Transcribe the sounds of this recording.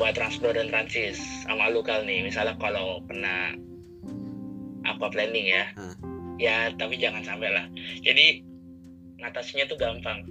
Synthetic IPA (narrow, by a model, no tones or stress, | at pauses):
at̪ɾanspɾɔɾant̪ɾant͡ʃɪsa̰malukalnɪmisalakalowpərnah | ʔa̰paplɛndɪŋja | jat̪apid͡ʒaŋansampɛlahd͡ʒadi | ŋat̪asiɲat̪uɡampaŋ